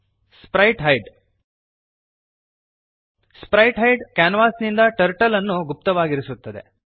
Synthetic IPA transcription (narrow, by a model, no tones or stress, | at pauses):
spɾɐjʈɦɐjɖ | spɾɐjʈɦɐjɖkaːnɐʋaːsnind̪ɐʈɐɾʈɐlɐnːuɡup̚t̪ɐʋaːɡiɾisut̪ːɐd̪e̞̰